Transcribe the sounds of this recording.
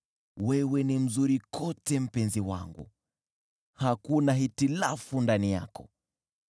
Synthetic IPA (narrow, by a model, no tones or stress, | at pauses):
wɛwɛnim̩zuɾikʰɔtɛm̩pɛnziwa̰ŋɡṵ | hakunaɦitilafundanija̰kɔ